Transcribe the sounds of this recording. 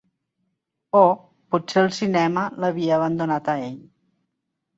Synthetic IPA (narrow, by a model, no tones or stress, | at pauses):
o | putseəlˠsinɛmələβ̞iəːβənd̪unat̪əeʎ